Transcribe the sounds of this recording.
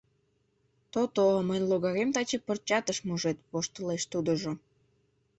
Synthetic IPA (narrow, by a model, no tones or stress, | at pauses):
t̪ot̪omənʲloɣɑɣemt̪ɑt͡ɕepərt͡ɕɑt̪əʃmuʒet̪̚βoʃt̪əleʃt̪ud̪oʒo